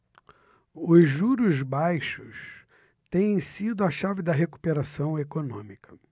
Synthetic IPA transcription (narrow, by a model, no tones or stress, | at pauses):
ʊzʒuɾʊzbajʃʊs | t̪ẽj̃ẽj̃sid̪ʊɐʃavɪd̪ɐɦeku̥peɾasɐ̃w̃ekonõmikʰɐ̥